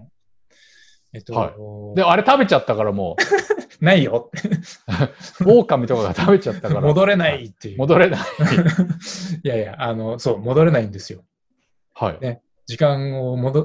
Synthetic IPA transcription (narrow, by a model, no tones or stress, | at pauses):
et̪ːoa̰id̪eaɾe̞t̪abe̞t͡ɕat̪ːakaɾamo̰ | naijot̪ːe | oːkamʲit̪o̞kaɡat̪ʰabe̞t͡ɕat̪ːakkamo̞d̪o̞ɾe̞nait̪ːejɯmo̞d̪o̞ɾe̞nai | jajaʔːno̞so̞ːmo̞d̪o̞ɾe̞naĩnd̪e̞sɨjo̞ | ha̰ine | d͡ʑikãŋomod̪o